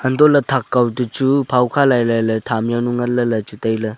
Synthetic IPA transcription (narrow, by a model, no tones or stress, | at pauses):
ɐndolɐtʰakːawdut͡ʃupʰawkʰalajlajlɐtʰamjanuŋɐlɐlɐt͡ʃutajlɐ